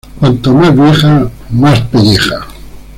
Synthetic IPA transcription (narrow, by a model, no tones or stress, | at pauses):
kwant̪omazβjeχamaspeʎexa